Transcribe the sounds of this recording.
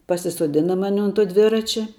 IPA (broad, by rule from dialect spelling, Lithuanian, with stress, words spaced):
pɐsʲɪsuɔˈdʲɪnɐ ˈmɑːnʲɪ ʊn tuɔ ˈdʲʋʲɪrɐt͡ʃʲɛ